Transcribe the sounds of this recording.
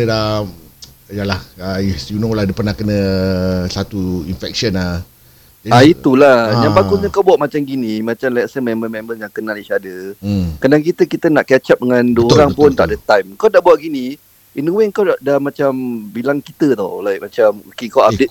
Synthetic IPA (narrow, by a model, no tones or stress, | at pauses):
a | jalahajunowladəpərnahkənəsat̪uinfɛk̚ʃəna | d͡ʒaait̪ulahjãŋbakusɲəkawbuatʔ̚mat͡ʃamɡinĩmat͡ʃamlaɛjaʔsəmɛ̃mbərmɛ̃mbənjaŋkənaliʃadəkadaŋkit̪əkit̪ənaʔkɛt͡ʃap̚dəŋãnduoɾaŋpʊnt̪aʔdət̪ajmkawdaʔbuaʔ̚ɡini | inuweŋkawdaʔdamat͡ʃambilaŋkit̪ət̪ɔ̰lajkmat͡ʃamukikawadɪt̪̚